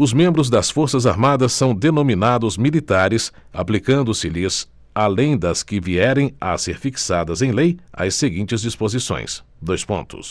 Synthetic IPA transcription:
ʊzmẽmbɾʊzd̪ɐsfoɾsɐzaɾmad̪ɐsːɐ̃w̃d̪enominad̪ʊzmilit̪aɾɪs | a̰plikɐ̃nd̪ʊsɪlɪz | alẽj̃d̪ɐskɪviɛɾẽj̃ɐ̰seɾfiksad̪ɐzẽj̃lejɐ̰seɡĩnt͡ʃɪzd͡ʒispozisõ̰j̃sd̪ojspõ̰nt̪ʊ̰s

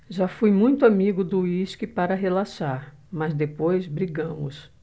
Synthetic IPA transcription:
ʒafujmũj̃t̪ʊamiɡʊd̪ʊiʃkɪpaɾɐɦelaʃaɾ | mɐzd̪epojzbɾiɡɐ̃mʊ̰s

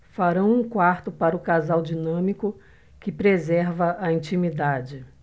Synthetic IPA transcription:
faɾɐ̃w̃ũkwaɾt̪ʊpaɾɐʊkazawd͡ʒinɐ̃mikʊ | kɪpɾezɛɾvɐʔɐĩt͡ʃimid̪ad͡ʒɪ

